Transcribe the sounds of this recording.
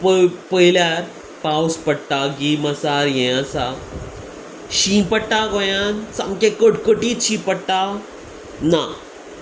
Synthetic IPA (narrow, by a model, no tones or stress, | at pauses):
ppəjljaɾ | pawspəɽt̪aɡiməsaɾjɛ̃ãsa | ɕĩpəɽʈ̪aɡojãnsãmkẽkoʈkoʈiːt̪ɕĩpəɽt̪a | na